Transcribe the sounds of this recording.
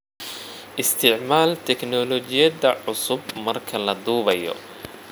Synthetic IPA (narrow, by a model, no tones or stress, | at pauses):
ʔɪst̪ʰɪʕmaːlt̪ʰɛknɔlɔt͡ʃɪjɐdɐʕʊsʊbmɐrkʰɐlɐd̪uːβɐjɔ̰